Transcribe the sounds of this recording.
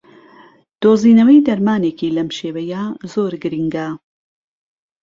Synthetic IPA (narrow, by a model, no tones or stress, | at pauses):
d̪̥oːziːnɐwɐjd̪ɐɾmaːneːkiːlɐmʃeːwɐjazoːɾɡɨɾiŋɡa